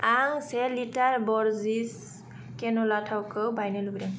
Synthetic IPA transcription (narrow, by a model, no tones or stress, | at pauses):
aŋsɛlitaɹbɔɹzis | kɛnɔlatʰawkɯwbajnɛluɡdaŋ